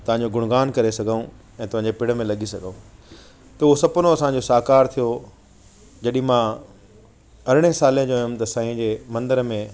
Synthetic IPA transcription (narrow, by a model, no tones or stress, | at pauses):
t̪ɐʋãɲd͡ʑoɡʱʊɽ̃ɡaːnkɐɾesɐɡʱaũ | ɛ̃ːt̪ɐʋ̤ɦãɲd͡ʑepɪɽ̤əmẽlɐɠʱisɐɡʱaũ | t̪ɐuɦosɐpʊnoɐsãːɲd͡ʑosaːkaːɾt̪ʰijo | d͡ʑɐɗɪ̃ɦĩmã | ɐɾɪɽ̃esaːliə̃d͡ʑoːɦjʊ̃mt̪ɐsãːĩd͡ʑeːmɐ̃nd̪əɾmẽ